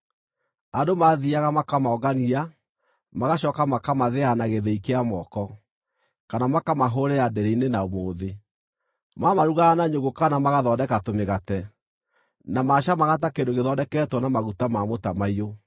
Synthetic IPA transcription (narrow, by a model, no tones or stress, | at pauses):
adomaðiaɣamakamaɔɡania | maɣaɕɔkamakamaðeanaɣeðɛikeamɔkɔ | kanamakamaɦoɾɛadɛɾɛinenaomoːðe | mamaɾuɣanaɲoŋɡokanamaɣaðɔdɛkatomeɣatɛ | namaɕamaɣat̬akendoɣeðɔdɛkɛtwɔnamaɣutamamotamaio